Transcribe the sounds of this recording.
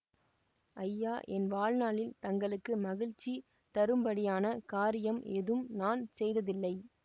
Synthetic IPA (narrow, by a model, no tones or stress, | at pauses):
ʔɐjːaːʔɛnʋaːɻnaːlɪlt̪ɐŋɡɐɭɯkːɯmɐɣɪɻt͡ʃːi | t̪ɐɾɯmbɐɽɪjaːnɐkaːɾɪjɐmɛðɯmnaːnsɛjðɐðɪlːɐɪ